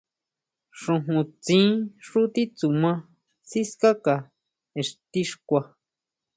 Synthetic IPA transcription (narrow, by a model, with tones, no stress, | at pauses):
ʂũ˧ɦũ˧t͡sĩ˦ʂu˦t̪i˦t͡su˨mã˧ | si˦ska˦ka˧˨ | e˨ʂt̪i˦ʂkʷa˧